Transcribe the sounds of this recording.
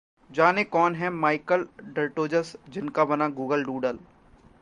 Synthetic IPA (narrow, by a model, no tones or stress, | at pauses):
d͡ʒaːnekɔːnɦɛmaːɪkəlɖɐɾʈoːd͡ʒəsd͡ʒɪnkabɐnaɡuːɡəlɖuːɖəl